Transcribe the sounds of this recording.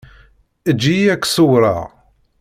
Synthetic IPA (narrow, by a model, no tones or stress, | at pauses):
əd͡ʒːiækːsʊwɾˤɑ̰